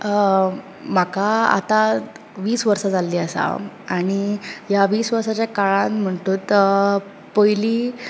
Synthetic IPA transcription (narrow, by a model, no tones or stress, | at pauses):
m̤akaa̰t̪a | ʋiːsʋəɾsad͡zalːiːəsa̰ | aɽ̃ijaʋiːsʋəɾsat͡ɕjakaɭãt̪m̤əɳʈ̪uːt̪ | pəjliː